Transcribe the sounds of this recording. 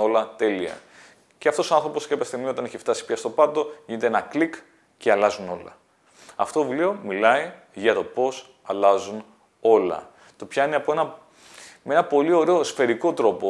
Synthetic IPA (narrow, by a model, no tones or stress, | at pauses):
o̞lɐt̪e̞liɐ̰ | ceɐft̪o̞soɐnθɾo̞po̞sceɐpest̪emiot̪ɐniçeft̪ɐsi̥pçɐst̪o̞pɐt̪o̞ʝine̞t̪eenɐklik | ce̞ɐlɐzuno̞lɐ̰ | ɐft̪ovlio̞milɐi | ʝɐt̪o̞po̞s | ɐlɐzun | o̞lɐ̰ | t̪o̞pçɐineɐpo̞enɐ | mee̞nɐpo̞lio̞ɾe̞osfe̞ɾiko̞t̪ɾo̞po